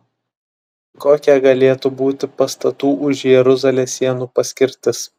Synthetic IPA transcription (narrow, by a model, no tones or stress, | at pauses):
koːkʲɛɡɐlʲeːt̪ubuːt̪ʲɪpɐst̪ɐt̪uːʔʊʒʲjɛɾʊzɐlʲeːsʲːiɛnuːpɐsʲkʲɪɾʲt̪ʲɪs